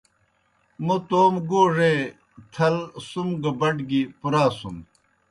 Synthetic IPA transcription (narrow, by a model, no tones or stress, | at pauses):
mut̪oːmɡoːʐe | t̪ʰɐlsumɡɐbɐɖɡipuɾaːsṵm